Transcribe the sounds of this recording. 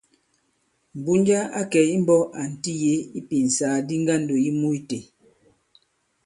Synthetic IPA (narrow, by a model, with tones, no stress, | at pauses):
m̩˨bu˦nd͡ʒa˦a˦kɛ˨i˦m̩˦bɔ˦ʔa˨n̩˨ti˦je˦i˦pi˨n̩˨saː˨˦di˦ŋ˦ɡa˦˨n̩˨do˨i˦mu˦i˦te˨